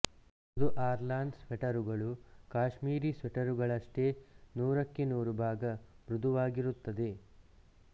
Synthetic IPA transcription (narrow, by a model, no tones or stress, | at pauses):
ɐd̪uʔaːɾlaːnɖsʋɛʈɐɾuɡɐɭukaːʃmiːɾisʋɛʈɐɾuɡɐɭɐʂʈenuːɾɐkːenuːɾubʱaːɡɐ | mɾud̪ʱuʋaːɡiɾut̪ːɐd̪e̞